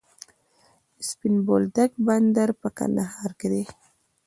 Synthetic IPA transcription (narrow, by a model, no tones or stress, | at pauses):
spinbold̪aɡ̚band̪aɾpaka̰naɦaɾɡɾe